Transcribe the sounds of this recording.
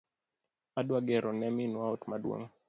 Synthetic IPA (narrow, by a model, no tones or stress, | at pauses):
aɗwaɡɛɾɔnɛminwaɔtmaɗua̰ŋ